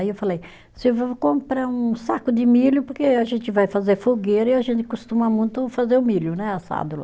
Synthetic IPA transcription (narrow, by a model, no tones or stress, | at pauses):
iewfalej | sɪewvokõmpɾaɾũsakʊd̪ɪmilʊpoɾkeaʒẽnt̪ɪvajfazeɾfoɡeɾɐiaʒẽnt̪ɪ̥kost̪ũmɐmũj̃t̪ʊfazeɾʊmilʊnɛasa̰d̪ʊl̰